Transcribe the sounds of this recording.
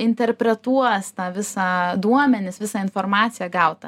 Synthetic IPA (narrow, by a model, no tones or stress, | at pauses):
ɪnʲt̪ʲɛɾʲpʲɾʲɛt̪uɔst̪ɑːʋʲɪsɑːd̪uɔmʲɛnʲɪsʋʲɪsɑːɪnfoːrmɑːt̪sʲɪjɛɡɐʊt̪ɐ